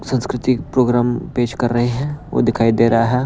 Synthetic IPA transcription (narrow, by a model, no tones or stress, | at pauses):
sɐ̃nskɾɪt̪ɪpɾoːɡɾaːmpeːʃkɐɾːɐɦeɦɛ̃ʋo̰ːd̪ɪkʰaːid̪eːɾɐɦaɦɛː